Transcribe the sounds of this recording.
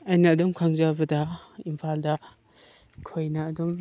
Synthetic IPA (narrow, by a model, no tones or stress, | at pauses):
ajnɐːdɔmkʰaŋzabɐdɐimpʰaldɐ | kʰojnɐːdɔm